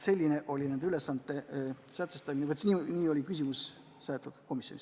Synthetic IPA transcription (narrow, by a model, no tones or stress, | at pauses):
se̞lʲːine̞ʔo̞lʲinænd̪ylesːɑnt̪ːˑe̞sæt̪sest̪ɑminevət̪niːnʲiːo̞lʲikys̬ʲimus | sɑːt̪ːˑud̪̥ko̞misjo̞nʲis